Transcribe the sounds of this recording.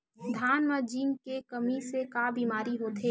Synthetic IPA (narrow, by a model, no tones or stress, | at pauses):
d̪ʱaːnməd͡ʒiːnkekɐmisekaːbiːmaːɾiɦoːt̪ʰeː